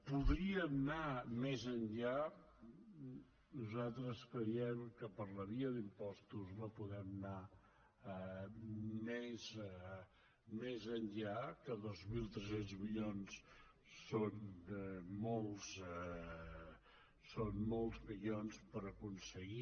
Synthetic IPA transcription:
puðɾiəmnamezənʎa | nuzat̪ɾəskɾəjɛmkəpəɾləβiəðimpɔst̪uznopuðɛmna | mez | mezənʎakəðozmilˠt̪ɾəsenzmiʎonsː | on | molˠs | sonmolˠzmiʎonspəɾəkunsəɣi

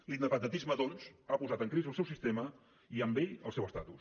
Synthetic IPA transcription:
linəpənd̪ət̪izməðonsapuzat̪əŋkɾizəlˠsɛwsist̪emə | iəmbeʎəlˠsɛwəst̪at̪ṵs

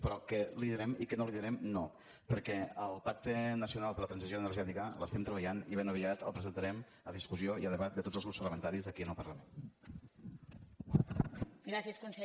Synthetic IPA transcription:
pɾɔkəliðəɾɛmikənoliðəɾɛmno | pəɾkɛəlˠpak̚t̪ənəsiunalˠpəɾlət̪ɾənzizjoənərʒɛt̪ikələst̪ɛmt̪ɾəβəʎaniβenəβ̞iat̪ə̰lˠpɾəzənt̪əɾɛm | əðiskuzioiəðəβat̪̚d̪ət̪otzəlˠɣɾupspərləmənt̪aɾizəkiənəlˠpərləmen | ɡɾasiəskunsə

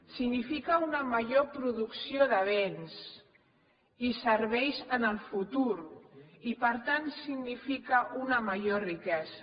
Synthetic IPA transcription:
siɡnifikəunəməʒopɾuðuksioðəβ̞ens | isəɾβ̞ɛjʃənəlˠfut̪uɾipəɾt̪ansiɡnifikəʔunəməʒorikɛzə

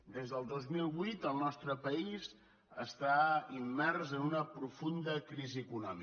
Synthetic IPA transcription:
d̪ezðəlˠd̪ozmilˠβujt̪əlˠnɔst̪ɾəpəiz | əst̪aimːɛrzənunəpɾufund̪əkɾiziəkunɔmi

